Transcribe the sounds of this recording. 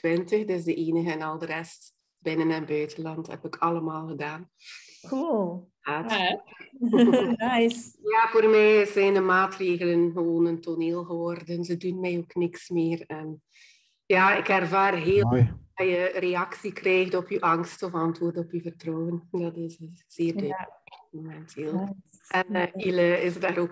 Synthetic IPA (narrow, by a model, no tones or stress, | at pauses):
tʋɪntəxdəsdəʔeːnəɣəɛnɑlˠdərɛst | b̥ɪnənɛnbœːtənlɑnthɛ̰pɪkʰɑlˠəmaːlˠɣədaːn | ku | aːt | ajsjaːvoːrmɛjzɛjndəmaːtreːɣələnɣəʋoːnəntʰoneːlˠɣəʋɔrdənzədunmɛjoːknɪksmeːrɛn | jaːɪkɛrvaːrɦeːajəreɑksikrɛːɣdɔpyʔɑŋstɔfɑntʋoːrdɔpyvərtrɔːəndɑtɪsz̥eːrdɪmomɛntʰeːlˠ | ʔɛniləɪsdaːɾoːk